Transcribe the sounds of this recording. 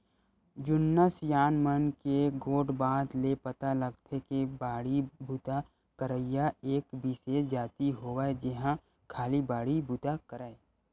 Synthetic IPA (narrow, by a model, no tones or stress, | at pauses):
d͡ʒʊnːasjaːnmənkeɡoːɖbaːd̪lepət̪aləɡt̪ʰekebaːɽibʱut̪a | kəɾəɪjaeːkbʱised͡ʒaːt̪iɦoːʋaːed͡ʒɪɦã | kʰaːlibaːɽibʱut̪akəɾaːe